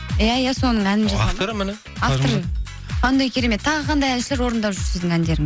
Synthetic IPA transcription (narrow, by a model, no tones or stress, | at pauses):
jæjæso̞nəɴænɪnʒɑsɑɾm | ɑfft̪oɾ | qʰɑnd̪ɑjkʲʰe̞ɾe̞me̞t̪ʰːɑʁəqʰɑnd̪ɑjælʃɪle̞ɾwo̞ɾənd̪ɑpʒʏɾsɪzd̪ɪŋænd̪e̞ɾɪŋ